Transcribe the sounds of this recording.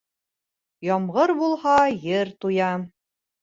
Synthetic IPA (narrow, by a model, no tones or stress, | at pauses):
jɑmʁɤɾbulˠhɑjɘɾt̪ujɑ